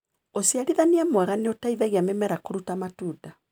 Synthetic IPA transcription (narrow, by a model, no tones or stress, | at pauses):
osiaɾiðaniamwɛɣaneotaiðaɣiamemɛɾakoɾutamatuːda